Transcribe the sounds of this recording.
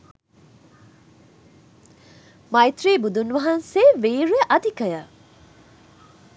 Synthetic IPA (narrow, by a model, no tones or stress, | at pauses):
mɐjt̪riːbud̪unʋɐɦɐnseːʋeːɾujəʔɐd̪ikəjə